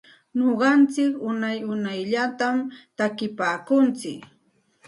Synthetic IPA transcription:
ɲoɢɑnt͡sɪkʊnajʊnajʎat̪amt̪akɪpaːkʊnt͡sɪk

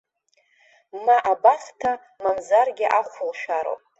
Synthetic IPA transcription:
maʔabaχtʰa | manzarɡʲɪʔaχʷʊlʃᶣaɾo̰wpʼ

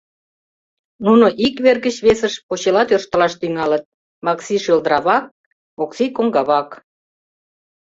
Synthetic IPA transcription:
nunoʔikβerɣət͡ɕβesəʃpot͡ɕelɑt̪ørʃt̪əlɑʃt̪yŋɑlət̪̚ | mɑksiʃøld̪əɾɑβɑk̚ | oksikoŋɡɑβɑk

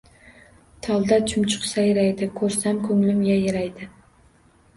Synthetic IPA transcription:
t̪ʰɒlˠd̪at͡ʃʰʊmt͡ʃʰʊ̥qsajɪɾajd̪ɪkʰɵɾsamkʰɵŋlɪmjajɪɾajd̪ɪ

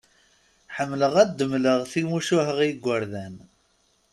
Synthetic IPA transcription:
ħəmːləʁæd̪ːəmːləʁθimuʃuɦəʁjəɡʷːəɾðæn

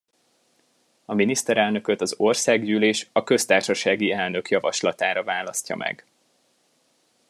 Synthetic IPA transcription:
ɒminist̪ɛɾɛlnø̞køt̪ɒzo̞rsaːɡjyːleːʃɒkø̞st̪aːrʃɒʃaːɡiɛlnø̞kjɒvɒʃlɒt̪aːɾɒvaːlɒscɒ̰mʔɛ̰ɡ

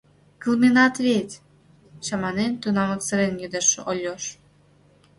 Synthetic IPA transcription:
kɨlˠminɑt̪βet̪ʲ | ɕɑmɑnent̪unɑmɤ̆kt͡sə̆ɾenjød̪əʃʔolʲːoʃ

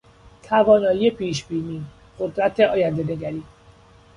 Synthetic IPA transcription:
t̪ʰævɒːnɒːjije̞pʰiːʃbiːniː | ɢ̥o̞d̪ɾæt̪ʰeɒːjænd̪e̞ne̞ɡæɾiː

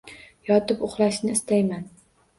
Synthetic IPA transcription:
jɒt̪ɪpʊχlˠaʃnɪːst̪ʰajman

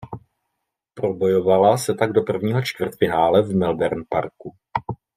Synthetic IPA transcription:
pɾo̞bo̞jo̞valasɛt̪aɡdo̞pr̩vɲiːɦo̞t͡ʃt̪vr̩t̪fɪnaːlɛvmɛlbɛɾnpa̰ɾku

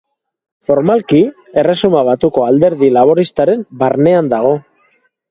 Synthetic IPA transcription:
fo̞ɾmalki | e̞re̞sumaβ̞at̪uko̞ald̪e̞ɾðilaβ̞o̞ɾist̪aɾe̞mbaɾne̞and̪aɣ̞o̞

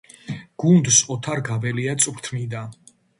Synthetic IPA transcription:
ɡ̥und̪sɔt̪ʰaɾɡabɛliat̪sʼuɾt̪ʰmid̪a

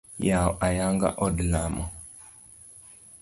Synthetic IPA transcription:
jawʔajaŋɡa̰ʔɔdlamɔ

